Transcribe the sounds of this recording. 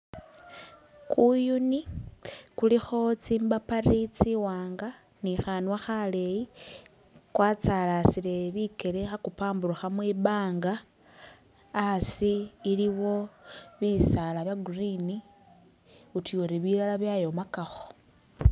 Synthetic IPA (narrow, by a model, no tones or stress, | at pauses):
kujuni | kulixo̞t͡simbaparit͡siwaːŋɡa | nixanwaxale̞ji | kwaːt͡salasile̞βike̞ɾexakupaːmbuɾuxamwiβaːŋɡa | siːliwo̞βisalaβjaɡurini | utʰioɾeβilalaβjajo̞makaxo̥